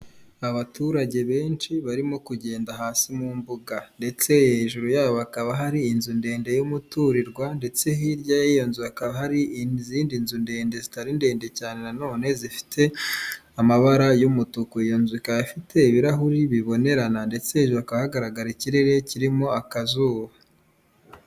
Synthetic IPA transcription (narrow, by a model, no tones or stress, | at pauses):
aβatuːɾaɟe̞βe̞ːnt͡ʃiβaɾimo̞kuɟe̞ːndaɦaːsimumbuɡande̞t͡se̞jeʒuɾujaːβoβakaβaɦaɾiːnzunde̞ːnde̞jumutuɾiɾɡwande̞t͡se̞ɦiɾɟajajonzujakaβaɦaɾiziːndinzunde̞ːnde̞zitaɾinde̞ːnde̞caːne̞nano̞ːne̞zifi̥tʰe̞ | amaβaɾajumutukuijonzuikajafitʰe̞iβiɾaɦuɾiβiβo̞ne̞ɾanande̞t͡se̞heʒuɾuakaβahaɡaɾaɡaɾiciɾe̞ɾe̞ciɾimo̞akazuːβa